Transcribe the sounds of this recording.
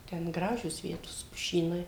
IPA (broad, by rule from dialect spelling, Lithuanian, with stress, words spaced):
tʲɛn ˈɡrɑːʒʲoːs ˈʋʲiɛtoːs pʊˈʃʲiːnɐɪ